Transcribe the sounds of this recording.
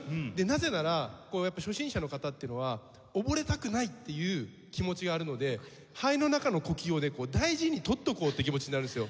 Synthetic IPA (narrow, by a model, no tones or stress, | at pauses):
d̪e̞naze̞naɾako̞ːjapːaɕo̞ɕĩɰ̃ɕano̞kat̪at̪ːeɯno̞βa | obo̞ɾe̞t̪akɯ̟nait̪ːe̞jɯ̟ː | kʲimo̞t͡ɕiɡaːɾɯ̟no̞d̪e̞ | haino̞nakano̞ko̞kʲio̞ne̞ko̞ːd̪aiʑiɲ̟it̪o̞t̪ːo̞ko̞ːt̪ːekʲimo̞t͡ɕiɲ̟inaɾɯ̟nesɨjo̞